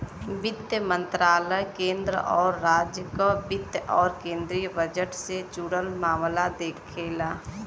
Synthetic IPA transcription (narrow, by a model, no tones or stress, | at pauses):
bɪt̪jəmə̃nt̪ɾaːləjkẽːnd̪ɾə̰ʔɔːɾːaːd͡ʒjəkabɪt̪jʔɔːɾkẽːnd̪ɾiːjəbəd͡ʒəʈsed͡ʒuːɽəlmaːmlad̪eːkʰːeːlaː